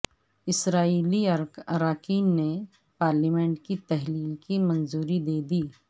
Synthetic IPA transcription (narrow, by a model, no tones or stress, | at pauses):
ɪsɾaːiːliɐɾɐɾaːkiːnːe | paːɾlimẽɳʈkit̪ɛɦliːlkimɐ̃nzuːɾid̪eːd̪iː